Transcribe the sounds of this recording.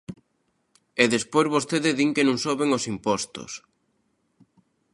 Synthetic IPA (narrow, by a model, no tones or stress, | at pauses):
ɛðespojzβost̪eðɪðiŋkenõŋsoβeŋosimpɔst̪o̰s